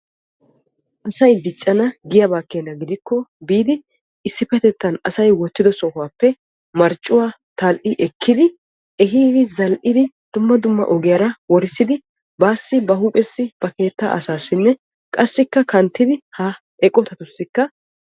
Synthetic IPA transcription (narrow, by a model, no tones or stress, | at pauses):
ʔɐsɐjd̪ɪt͡ʃʼːɐnɐɡɪjɐbaːkːeːnːɐɡɪd̪ɪkːɔbiːd̪ɪ | ɪsːɪpɛt̪ɛt̪ːɐnɐsɐjwɔt̪ːɪd̪ɔsɔhʊwaːpːɛ | mɐɾt͡ʃʼːʊwaː | t̪ɐlʔɪʔɛkʰːɪd̪ɪ | ʔɛɦiːd̪ɪzɐlʔɪd̪ɪ | d̪̥ʊmːɐd̪ʊmːɐ̰ʔɔɡɪjɐɾɐwɔɾɪsːɪd̪ɪ | baːsːɪbɐhuːpʼɛsːɪb̥ɐke̞ːt̪ːa̰ːʔɐsaːsːɪnːɛ | kʼɐsːɪkːɐkɐnt̪ːɪd̪ɪhɐ | ɛkʼɔt̪ɐt̪ʊsːɪkːɐ